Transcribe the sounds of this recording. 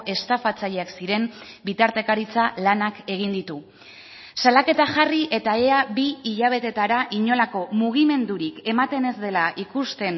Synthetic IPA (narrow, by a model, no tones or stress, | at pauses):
ʔe̞st̪afat͡saʎeaksiɾe̞mbit̪aɾt̪e̞kaɾit͡salanake̞ɣ̞ind̪it̪u | salake̞t̪aʝariʔe̞t̪aeabiːʎaβ̞e̞t̪e̞t̪aɾaʔiɲo̞lako̞muɣ̞ime̞nd̪uɾike̞mat̪e̞ne̞zd̪e̞laʔikust̪e̞n